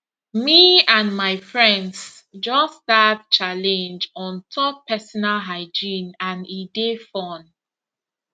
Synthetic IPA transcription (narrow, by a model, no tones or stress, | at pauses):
miãnmaɪfɹɛ̃nds | d͡ʒɔsdadt͡ʃalɛ̃nd͡ʒɔ̃ntʰɔp̚pɛsɔnalɦaɪd͡ʒĩnãnidefɔn